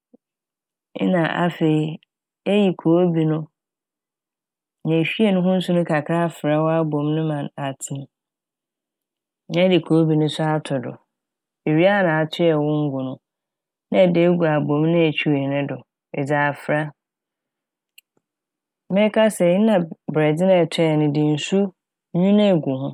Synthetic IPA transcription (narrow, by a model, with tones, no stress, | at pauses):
nã˨ʔa̰˦fe˨i˦˨ | e˦ji˨kʰoː˨˦bi˨nʊ̃˦˨ | ɲɛ̃˨ɕᶣi˦e˦˨nʊ̃˦ɦʊ̃˦n̩˦sũ˦nʊ̃˦kʰa˨kʰɾa˦fɾa˦wɔ˦a˦bõ˨mnʊ̃˦mã˨na˨tʰĩ˦m | nã˦dɪ˨kʰoː˨˦bi˨nʊ̃˦sʊ˦a˦tʰʊ˨dʊ̰˨ | e˨ɥi˦a˦nã˨a˨tʰɪ˦ɛ˨wʊ̃˦ŋ̩˦ɡʊ˨nʊ̃˦ | nã˦˨de˦ɡu˨a˨bõ˨mnɪ̃˦æ˨t͡ɕʰᶣu˦˨hɪ˨nɪ̃˦dʊ˨ | ɛ˨d͡zaː˨fɾa˦ | mɪ̃˦kʰa˦sɛ˨ɲɪ̃˦nã˨bɾɛ˨dɪ˦nã˦˨tʰɛ˦˨nʊ̃˨dɪ̃˨n̩˨su˦ | ɲũ˦nɛ̃˦˨ɡu˨hʊ̃˦